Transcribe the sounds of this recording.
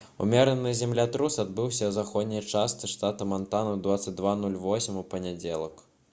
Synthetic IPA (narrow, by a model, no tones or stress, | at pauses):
ṵmʲɛɾənɨzʲɛmlʲat̪ɾusad̪̚bɨwsʲɐwzaxɔd̪ʲnʲɐjt͡ʂast̪sɨʂt̪at̪ɐmant̪anɐd̪vat̪sɐt͡s̚ʲd̪vanulʲvɔsʲimʲupɐnʲad͡zʲelˠɐk